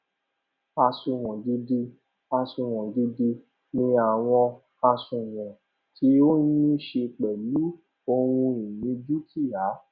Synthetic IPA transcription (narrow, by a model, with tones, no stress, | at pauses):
a˧sũ˨˧w̃ɔ̃˨di˧di˧ | a˧sũ˧w̃ɔ̃˨di˧di˧ | nĩ˧a˨w̃ɔ̃˧ | a˧sũ˧w̃ɔ̃˨ | tʰi˨˦o˦nĩ˦ʃe˧k͡pɛ˨lu˨˦ | o˧wũ˧ĩ˨nĩ˨˧˦d͡ʒu˦ti˦˨ja˨˦